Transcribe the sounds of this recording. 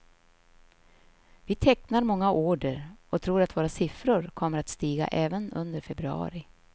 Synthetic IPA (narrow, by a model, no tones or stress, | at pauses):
vɪt̪ʰɛknaɾmɔŋːaʔoːɖəɾɔt̪ʰɾuːɾat̪voːɾasɪfɾʊɾkʰɔmːəɾat̪st̪iːɡa̰ʔɛːvənɵnd̪əɾfɛbɾɵɑ̰ːɾɪ